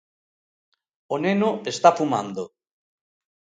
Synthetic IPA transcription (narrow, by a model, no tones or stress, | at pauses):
onenoest̪afuma̰nd̪o